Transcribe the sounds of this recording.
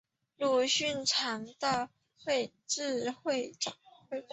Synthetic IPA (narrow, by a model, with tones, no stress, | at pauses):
lu˥˧ɕy˥˩nʈ͡ʂʰɑ˧˥ŋt̪ɑ˥˧ʊ | xwe˥˧ɪ | ʈ͡ʂɻ̩˥˧xwe˥˩ɪʈ͡ʂɑ˨˩e˥˩